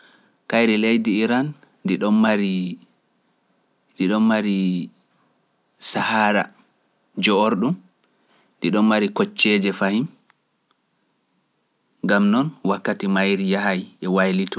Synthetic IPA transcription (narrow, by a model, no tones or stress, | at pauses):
kajɾilejdiːɾan | diɗɔnmaɾi | ndiɗɔnmaɾi | sahaːɾa̰ | d͡ʒɔoɾɗum | diɗɔnmaɾikɔt͡ʃːɛːd͡ʒɛfahim | ŋɡamnɔnwakːatimajɾijaɦajʔɛwajlitɔ